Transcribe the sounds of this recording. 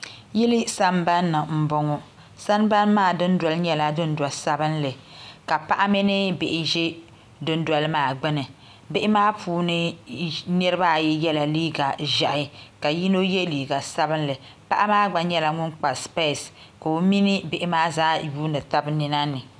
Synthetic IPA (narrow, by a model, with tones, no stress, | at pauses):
ji˦lɪ˦sa˦mba˦nːɨ˨m̩˨bɔ˦ŋɔ˦ | sa˦nba˦nmaː˦˨dɨ˦n˦dwa˨lɨ˦ɲɛ˦la˦dʊ˦n˦da˨sa˦bɨ˦nlɨ˨ka˨pa˦ʔa˦mɪ˦nɨ˦bɪ˨ʔɪ˦ʒɛ˦ | dʊ˦n˦da˨lɨ˦maː˦˨ɡ͡bɨ˦nɨ˨ | bɪ˦ʔɪ˦maː˦pʰuː˨˦nɨ˦nɛ˦ɾɨ˦ba˦˨jɛ˦jɛ˦la˨liː˦ɡa˨ʒa˨ʔɪ˦ka˨ji˦no˦je˦liː˨ɡa˨sa˦bɨ˦nlɨ˨ | pa˦ʔa˦maː˦ɡ͡ba˨ɲɛ˦la˨ŋʊ˦nk͡pa˨spe˦˨s | ka˨o˦mi˦nɨ˦bɪ˦ʔɪ˦maː˦zaː˦juː˦nɨ˨ta˦bnɪ˦na˦nɨ˨